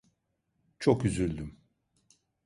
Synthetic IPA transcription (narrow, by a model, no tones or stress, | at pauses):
t͡ʃʰokyzylʲd̪ym